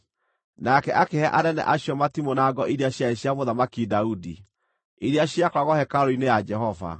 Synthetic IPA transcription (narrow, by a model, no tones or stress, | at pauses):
nakɛʔakehɛʔanɛnɛ̰ʔaɕjɔmatimonaɡɔʔiɾeaɕjaeɕiamoðamakidaudi | iɾeaɕjakwaɣɔhɛkaɾoinejad͡ʒɛɦɔva̰